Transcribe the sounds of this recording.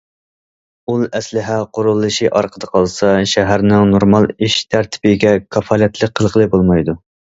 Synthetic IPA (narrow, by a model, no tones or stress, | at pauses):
ulˠɛslɪɦɛqʰoɾulˠːɨʃɨʔɑɾqʰəd̪əqʰɑlˠsɑʃɛɦæɾnɪŋnoɾmɑlˠiʃt̪ʰæɾt̪ʰɪ̥bɪɡʲɛkʰɑfɑːlɛt̪ʰlˠɨk̚qʰːəlˠʁəlˠɨbolˠmɑjd̪u